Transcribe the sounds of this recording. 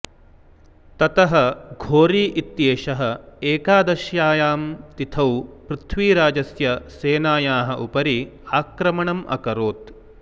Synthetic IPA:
t̪ɐt̪ɐɦɐɡʱoːɾiːʔit̪jeːʃɐɦɐ̆eːkaːd̪ɐʃjaːjaːmt̪it̪ʰɐwpɾut̪ʰʋiːɾaːd͡ʒɐsjɐseːnaːjaːɦɐ̆ʔupɐɾiaːkɾɐmɐɳɐmʔɐ̰kɐɾoːt̪

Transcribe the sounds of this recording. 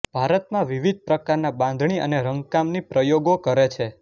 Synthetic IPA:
b̥ʱaɾət̪mãʋiʋid̪̚ʱpɾəkaɾnabãnd̪ʱɳ̃iə̰neɾəŋɡkamnipɾəjoɡokəɾet͡ʃʰe

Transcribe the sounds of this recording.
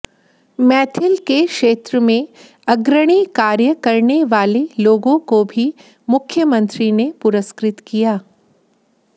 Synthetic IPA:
mɛːt̪ʰɪlkekʃeːt̪ɾəmẽ | ɐɡɾəɽ̃ikaːɾjəkɐɾneʋaːleloːɡõkobʱi | mʊkʰːjəmə̃nt̪ɾinepʊɾəskɾɪt̪kijaː

